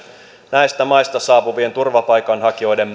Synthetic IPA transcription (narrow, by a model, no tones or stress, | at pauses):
næist̪æmɑjst̪ɑsɑːpuʋie̞nt̪urʋɑpɑjkɑnhɑkio̞jdem